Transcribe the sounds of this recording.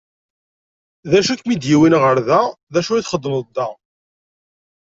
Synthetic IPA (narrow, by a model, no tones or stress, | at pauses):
ðæʃækmid̪jiwinʁəɾðæðæʃuiθχəd̪ːmðd̪ːɑ